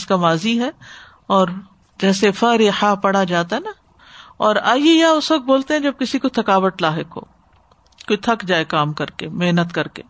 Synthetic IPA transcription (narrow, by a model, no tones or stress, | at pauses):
skamaːziɦɛː | ɔːɾ | d͡ʒɛːsefɐɾehapɐɽ̤ad͡ʒaːt̪aɦɛna | ɔːɾaːijejaʊsʋɐk̚boːlt̪eɦɛ̃d͡ʒɐb̚kɪsikot̪ʰɐkaːʋəʈlaːɦɪkɦo̰ː | koːit̪ʰɐkd͡ʒaːekaːmkɐɾkemeɦnət̪kɐɾkḛː